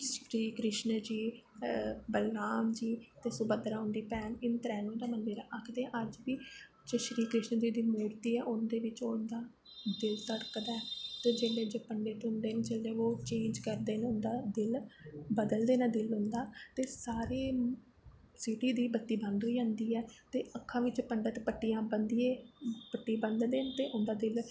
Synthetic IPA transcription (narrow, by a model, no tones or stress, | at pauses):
ʃɾiːkɾɪʃnd͡ʒiː | bəlnaːmd͡ʒiːt̪eːsʊbəd̪ɾaːʊnd̪iːpɛːnɪnt̪ɾɛːnõd̪aːmənd̪eːɾaːʔəkʰd̪ẽːʔəd͡ʒbiː | t͡ʃəʃɾiːkɾɪʃnd͡ʒiːd̪iːmuːɾt̪iːɛːʔʊnd̪eːʋɪt͡ʃond̪aː | d̪ɪlsəɽkd̪ɛːt̪eːd͡ʒeːleːd͡ʒoːpəɳɖeːt̪ʊ̃nd̪eːneːt͡ʃəlːẽːoːt͡ʃẽːɲd͡ʒkəɾd̪eːnʊnd̪aːd̪ɪlbəd̪əld̪eːnaːd̪ɪlɦʊ̃nd̪aːt̪eːsaːɾeː | sɪʈiːd̪iːbət̪ːiːbənd̪ɦoiːd͡ʒãːnd̪iːɛːt̪eːʔəkʰːãːʋɪt͡ʃpəɳɖət̪pəʈːijãːbənd̪iːẽːpəʈːiːbənd̪d̪eːnt̪eːʔʊnd̪aːd̪ɪl